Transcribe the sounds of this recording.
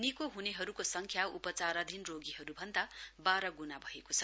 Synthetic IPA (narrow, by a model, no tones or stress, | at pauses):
nikoɦuneɦʌɾukosʌŋkʰjaṵpʌt͡saɾʌd̪ʱinroɡiɦʌɾubʱʌnd̪abaɾʌɡunabʱʌekot͡sʰʌ